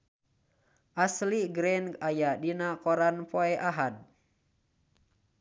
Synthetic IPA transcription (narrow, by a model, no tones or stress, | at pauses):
ʔasliɡɾɛnajadinakɔɾanpoɛʔaɦad̚